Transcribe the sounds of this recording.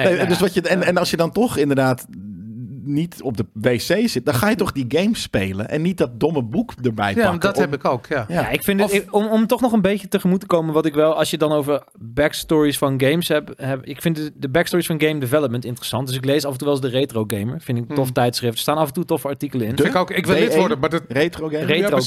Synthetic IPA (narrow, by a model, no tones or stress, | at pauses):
edøsʋɑjəɛnɛnɑlˠsjədɑntɔχɪndəɹdaːt | nitɔp̚dəʋejsejzɪtədɑnχaːjətɔχdiɡejmspejlə̰nʔɛ̰nːit̚dɔt̚dɔməbukdəɹbɛ̰jdtɛpɪkowkajaɪkfɪndmɔmtɔχnɔχənbejcətəχəmutəkowmənʋɑtɪkʋɛlˠɑlˠsjədɑnowvəɹ | bɛkstɔːɹisfɑnɡejmsɦɛpɦɛɪkfɪndədəbɛkstɔːɹisfɑ̃nɡejmdɪvɛləp̚məntɪntərəsɑntdʏs̬ɪklejsɑfəntuʋɛlˠs̬dərejtrowɡejməɹfɪndɪktɔftɛjtsχrɪftdə̥staːnɑfəntutɔfəɑɹtikələɪnɪkokɪkʋɪldɪʋɔɹdəmadejtroerejo